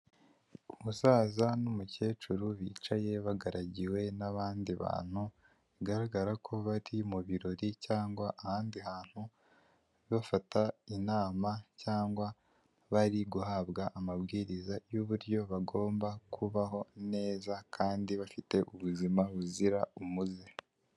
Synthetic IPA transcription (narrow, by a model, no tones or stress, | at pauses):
umusaːzanumuce̞ːt͡ʃuɾuβiːt͡ʃaje̞βaɡaɾaɟiwe̞naβaːndiβa̰ːn̥hu | iɡaɾaɡaɾakʰo̞βaɾimuβiɾo̞ɾicaːŋɡwaʔahaːndihaːn̥hu | βafatainaːmacaːŋɡwa | βaɾiɡuhaβɡaʔːmaβɡiːɾizajuβuɾɟo̞βaɡo̞ːmbakʰuβaho̞ne̞ːzakʰaːndiβafite̞ʔuβuzimaβuziɾaumuze